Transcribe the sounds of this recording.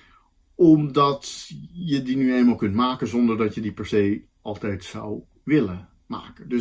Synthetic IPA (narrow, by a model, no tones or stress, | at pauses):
ɔmdɑtjədinyejnmaːlˠkɵntmaːkənzɔndəɹdɑtjədipɛɹsej | ɑlˠtɛjtsɔ̰w | ʋɪlə | ma̰ːkəndø